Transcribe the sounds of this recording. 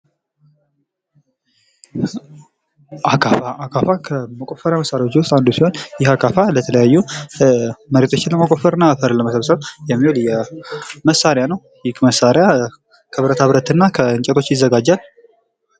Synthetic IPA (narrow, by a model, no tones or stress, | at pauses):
ʔakʰʼaaakʰafakʰəməkʼo̞fəɾjaməsːaɾjawot͡ʃːwʊst̪ʼand̪usiho̞njɪhakʰʼafalət̪ʰələjajːu | məɾet̪ʰo̞t͡ʃːɪnləməkʼofəɾɨnːafəɾləməsəβsəβjɛmːihuljɛməsaɾɪjanəw | jɪkməsːaɾja | kʰəβɾət̪aβɾət̪ɨnːakʰəɨɲt͡ʃʼɛt̪ʰo̞t͡ʃːjɪzːəɡad͡ʒːal